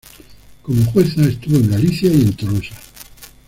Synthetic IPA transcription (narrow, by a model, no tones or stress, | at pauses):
komoxweθaest̪uβoe̞ŋɡaliθjaiẽ̞nt̪orosa